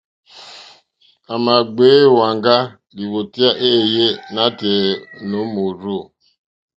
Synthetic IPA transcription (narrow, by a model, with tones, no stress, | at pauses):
a˨ma˨ɡ͡be˨˦˨wa˨ŋɡa˦ | di˨wo˨ti˦a˦ʔe˦˨je˦na˦te˨no˨˦mu˨ɾu˦˨